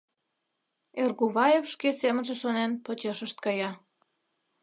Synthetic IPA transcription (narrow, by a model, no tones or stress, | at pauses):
erɣuβɑjefʃkesemənʒeʃonenpot͡ɕeʃəʃt̪̚kɑjɑ